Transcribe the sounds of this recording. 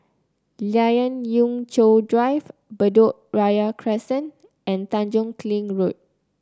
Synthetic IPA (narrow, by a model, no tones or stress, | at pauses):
lajə̃njũŋt͡ʃodɹajvbədɔʔɹajakʰɹɛsə̃n | ʔɛ̃nt̪ãnd͡ʒɔ̃ŋkʰlĩŋɹut̚